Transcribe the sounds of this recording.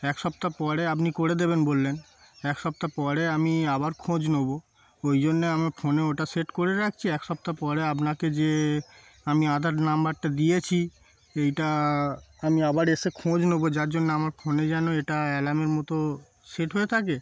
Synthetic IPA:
ɛkʃɔpt̪apɔɾeap̬nikoɽed̪ebenbolːen | ɛkʃɔp̚t̪apɔɾeamiabaɾkʰõd͡ʑnobo | ojd͡ʑonːeamaɾfoneoʈaseʈkoɾeɾakʰt͡ɕʰiɛkʃɔp̚t̪apɔɾeapnaked͡ʑe | amiad̪ʱaɾnambaɾʈad̪ijet͡ɕʰi | ejʈa | amiabaɾeʃekʰõd͡ʑnobod͡ʑaɾd͡ʑonːeamaɾfʰoned͡ʑɛnoeʈaɛlameɾmɔt̪o | seʈɦoet̪ʰake

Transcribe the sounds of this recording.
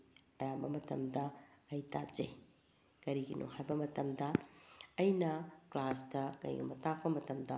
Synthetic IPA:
ɐjabɐmɐtɐ̰mdɐɐjta̰zḛj | kɐɾiɡinʔṵhajbɐmɐtɐmdɐɐjnɐklasdɐkɐ̰jɡḭmɐtak̚pɐmɐtɐmdɐ

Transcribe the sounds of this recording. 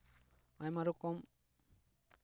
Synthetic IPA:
ajmaɾukɔm

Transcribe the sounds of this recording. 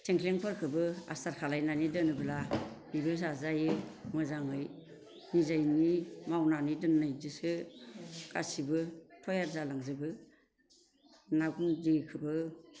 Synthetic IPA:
tʰeŋkʰleŋpʰɯɾkʰɯbɯa̰saɾkʰalajnanidɯnɯbɯlabibɯs̬azajɯmɯzaŋɯj | nizajnimawnanidɯnːajdɯsɯ | ka̰sibɯtʰɔjaɾzalaŋzɯbɯ | naɡundikʰɯbɯ

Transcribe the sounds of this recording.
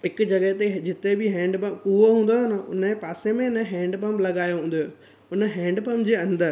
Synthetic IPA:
ɦɪkd͡ʑɐɡəɦt̪ed͡ʑɪt̪ebɪɦɛ̃ːɳɖpɐmkuɦoɦũːn̆d̪onəʊ̰nəpaːsemẽɪnəɦɛ̃ːɳɖpɐ̃mblɐɡaːjoɦũːnd̪jo | ʊnə̆ɦɛ̃ːɳɖpɐmd͡ʑeːɐ̃nd̪əɾ

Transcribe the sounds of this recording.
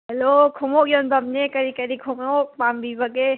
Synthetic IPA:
ɦɛlokʰumokjonbɐmnekɐɾikɐɾikʰumok̚pambibɐɡe

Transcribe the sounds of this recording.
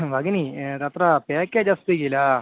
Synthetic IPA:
ʋɐɡɐnit̪ɐt̪ɾapeːkeːd͡ʒɐst̪iɡila

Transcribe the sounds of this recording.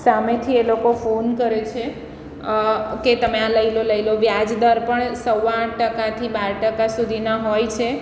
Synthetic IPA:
samet̪ʰielokofonkəɾet͡ʃʰe | ket̪əmeãləiloləjloʋjad͡ʒd̪əɾpəɳsəwaʈʈəkat̪ʰibaɾʈəkasud̪ʱinaɦojt͡ʃʰe

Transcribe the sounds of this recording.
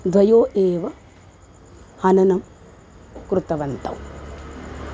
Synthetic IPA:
d̪ʋɐjoːʔeːʋɐ | hɐnɐnɐm | kɾut̪ɐʋɐnt̪ɐ̰w

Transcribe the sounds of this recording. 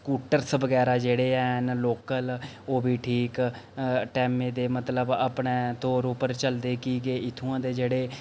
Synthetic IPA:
skuːʈəɾsʋəɡɛːɾaːd͡ʒeːɽeːɛːɦnloːkəl | oːbiːʈʰiːk | ʈɛːmẽːd̪eːmət̪ləba̰pɳẽːt̪oːɾʊpəɾt͡ʃəld̪eːkiːɡeːɪt̪ʰːũãːd̪eːd͡ʒeːɽeː

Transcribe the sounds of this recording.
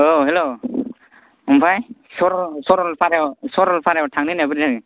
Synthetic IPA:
oɦelo | umpʰajsɔɾɔsɔɾɔlpʰaɾewsɔɾɔlpʰaɾewtʰaŋninabɯɾizani

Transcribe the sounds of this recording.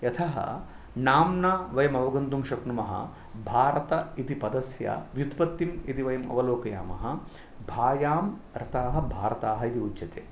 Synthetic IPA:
jɐt̪ʰɐɦɐ̰ | naːmnaːʋɐjɐmɐʋɐɡɐnd̪umʃɐknumɐɦɐ̰ | bʱaːɾɐt̪ɐit̪ipɐd̪ɐsja̰ʋjud̪pɐt̪ːimit̪iʋɐjɐmɐ̰ʋɐloːkɐja̰ːmɐ̰ɦɐ | bʱaːjaːm | ɾɐt̪aːɦɐbʱaːɾɐt̪aːɦɐit̪iutːt͡ʃɐt̪ḛː

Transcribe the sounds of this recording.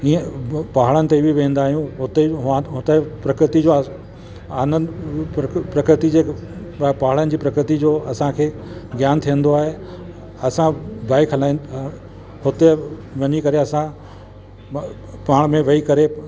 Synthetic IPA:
ĩːə̃paɦəɭənɪ̆t̪ebʱiʋẽːnd̪aːɦijũɦʊt̪eɦãɦʊt̪epɾɐkɾɪt̪id͡ʑoɐ | anən | pɾɐkɾɪt̪id͡ʑeː | paɦəɭənɪ̆d͡ʑiːpɾɐkɾɪt̪id͡ʑoːɐsãkʰeːɡjaːnt̪ʰiə̃nd̪oaːɦe | ɐsãbaːikʰɐlaːĩn | hʊt̪eʋɐɲikɐɾeɐsã | paːɽ̃mẽʋɐikɐɾe

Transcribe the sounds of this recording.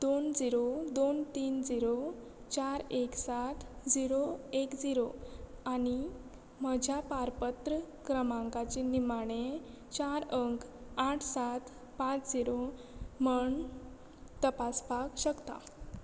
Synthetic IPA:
d̪ond͡ziɾod̪ont̪iːnd͡ziɾo | t͡ɕaɾeksat̪ʰd͡ziɾoekd͡ziɾoañi | m̤əd͡ʑʱjapaɾpət̪ɾə | kɾəmãŋkat͡ɕenimaɽ̃e | t͡ɕaɾəŋkaʈʰsat̪ | pãt͡sd͡ziɾoməɳ | t̪əpasbakɕəkt̪a̰

